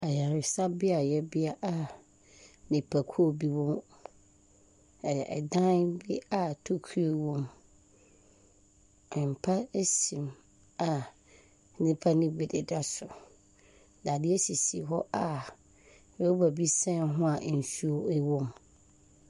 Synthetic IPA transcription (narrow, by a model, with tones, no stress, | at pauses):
ɛ˨ja˨ɾɪ˨sa˦bɪ˦a˨jɛ˦bɪ˦a˦ʔa˨ | nɪ̃˨pʰa˨kʰu˦o˦˨bi˦wɔ̃˦m˨ | ɛ˨ʔɛ˨dã˦nbɪ˦a˦˨tʰo˦kʰu˦o˨wɔ̃˦m | ɛ˨m̩˨pʰa˦e˦sĩ˨m | a˨˦ | nɪ̃˦pʰa˦nɪ̃˦bɪ˨dɪ˨da˦sʊ˨ | da˨dɪ˦ɛ˦si˨si˨ɦɔ˦ʔa˨ | ɛ˨o˦ba˨bi˦sɛ̃˦nɦʊ̃˦a˨ʔn̩˨su˦o˦ɛ˦wɔ̃˦m